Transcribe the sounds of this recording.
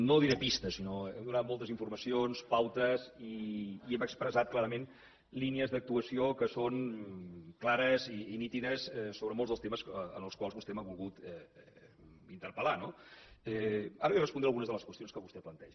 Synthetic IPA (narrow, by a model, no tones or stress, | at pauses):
noðiɾəpist̪əsinoɛmd̪unat̪̚molˠt̪əziɱfuɾməsionspawt̪əziːɛməkspɾəzat̪̚klaɾəmen | liniəzðək̚t̪uəsiokəson | klaɾəziːnit̪iðəsɛsːoβɾəmolˠzðəlˠst̪eməsənəlˠskwalˠzβust̪ɛmaβulˠɣut̪ɛ | int̪əɾpəlanoɛaɾəɛrəspund̪ɾeəlˠɣunəzðələskwəst̪ionskəβust̪ɛplənt̪ɛʒ